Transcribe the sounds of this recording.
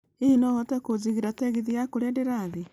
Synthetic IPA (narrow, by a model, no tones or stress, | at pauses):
einɔɣɔtɛkoziɣeɾatɛɣeðijakoɾedeɾaðe